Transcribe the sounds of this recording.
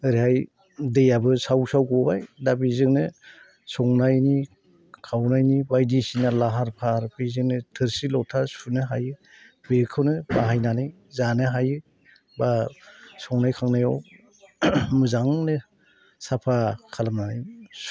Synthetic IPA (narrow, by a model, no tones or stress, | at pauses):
ɯɾiɦaj | dejabɯsawsawɡɔbajdabizɯŋnɯ | sɔŋnajni | kʰawnajnibajdisinalaɦaɾpʰaɾbizɯŋnɯtʰɯɾsilɔtʰasunɯɦajɯ | beɾkʰɯwnɯbaɦajnanɯj | zanɯɦajɯ | basɔŋnajkʰaŋnajɔw | mɯzaŋnɯ | sapʰakʰalamnanɯj